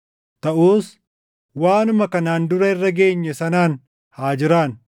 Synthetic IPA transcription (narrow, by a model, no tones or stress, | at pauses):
t̪ɐʔuːs | waːnʊmɐkɐnaːnd̪ʊɾɐɪrːɐɡe̞ːɲːɛsɐnaːn | haːd͡ʒɪɾaːn